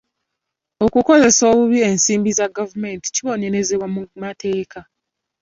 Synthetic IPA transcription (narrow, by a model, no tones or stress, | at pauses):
o̞kuko̞ze̞so̞ːβuβie̞nsiːmbizaɡavumenti̥ciβo̞neɾe̞ze̞βwamumatʰe̞ːkʰa